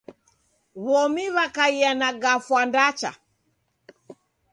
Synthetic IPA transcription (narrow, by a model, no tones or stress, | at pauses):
βɔmiβakaianaɡafwandat͡ʃa̰